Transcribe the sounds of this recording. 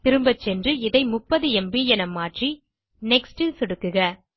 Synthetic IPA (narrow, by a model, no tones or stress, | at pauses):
t̪ɪɾɯmbɐt͡ʃːɛndrɯɪðɐɪmʊpːɐðɯɛmbijɛnɐmːaːʈri | nɛksʈɯsɪɽɯkːɯɣɐ